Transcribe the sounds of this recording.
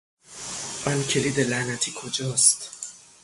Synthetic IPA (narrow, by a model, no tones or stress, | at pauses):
ʔɒncʰe̞liːd̪elænæt̪ʰiːkʰod͡ʒɒːst̪